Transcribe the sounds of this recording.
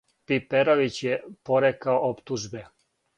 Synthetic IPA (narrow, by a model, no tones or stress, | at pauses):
pipeɾoʋit͡ɕjepoɾekaoʔopt̪uʒbe